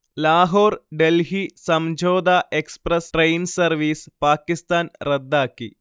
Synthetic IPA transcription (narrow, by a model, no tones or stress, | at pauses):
laːɦoːɾɖelɦisɐmd͡ʑoːd̪aːʔekspɾɐsʈɾejnsɐɾʋiːspaːkist̪aːnɾɐd̪ːaːkːḭ